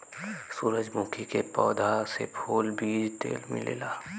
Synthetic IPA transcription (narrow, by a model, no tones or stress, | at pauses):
suːɾəd͡ʒmũːkʰikepɔːd̪ʱasḛpʰoːlbʱiːd͡ʒt̪ḛːlmɪ̰̃lḛːlaː